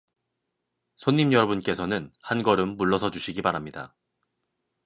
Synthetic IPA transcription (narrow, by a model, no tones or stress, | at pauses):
sʰoɲːimjʌɾʌbunk͈e̞sʰʌnɯnhanɡʌɾɯmːuɭːʌsʰʌd͡ʑuɕʰiɡibaɾamɲida̰